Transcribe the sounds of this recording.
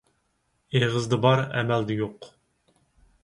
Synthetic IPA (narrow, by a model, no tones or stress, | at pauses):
eʁəzd̪ɨbɑɾɛ̰mæld̪ɛjoq